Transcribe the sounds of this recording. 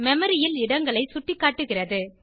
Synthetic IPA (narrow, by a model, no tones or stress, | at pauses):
mɛmɐɾɪjɪlɪɽɐŋɡɐɭɐɪsʊʈːɪkːaːʈːɯɣɪrɐðɯ